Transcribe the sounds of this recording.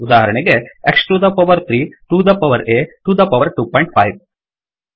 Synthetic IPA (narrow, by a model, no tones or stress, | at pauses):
ud̪aːɦɐɾɐɳeɡeeksʈɾud̪ɐpɐʋɐɾt̪ʰɾiːʈuːd̪ɐpɐʋɐɾeʈuːd̪ɐpɐʋɐɾʈuːpɔjɳʈ̚pʰɐ̰jʋ